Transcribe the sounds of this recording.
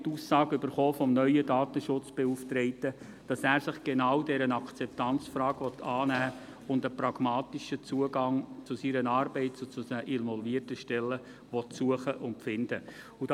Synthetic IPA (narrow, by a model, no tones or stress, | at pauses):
tuːsɑːɡʏb̥əɾχoːfɔmnœʏədɑːt̪əʃʊt͡sb̥euftɾɛɪtə | d̥ɑsæːɾsɪχɡ̥enɑwdɛɾənɑkʰt͡sɛp̚tɑnt͡sfrɑːɡʋɔtʰɑːnæː | ʊndəpɾɑɡ̥mɑːt̪iʃət͡suəɡɑŋt͡sʊsiɾənɑːɾbɛɪtt͡sut͡sʊsəʔɪnʋɔlviətəʃtɛlːə | ʋɔtsuəχəʔʊntpfɪnd̥ə | ud̥ɑ